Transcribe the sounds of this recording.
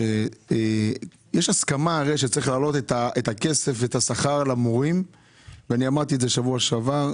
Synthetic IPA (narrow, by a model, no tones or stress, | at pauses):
e | jeʃaskamaːʁeʃet͡saʁiχlaːlo̞t̪et̪aʔet̪ake̞se̞fveːt̪asaχaʁlamoʁim | veaniamaʁt̪ieze̞ʃavuaʃava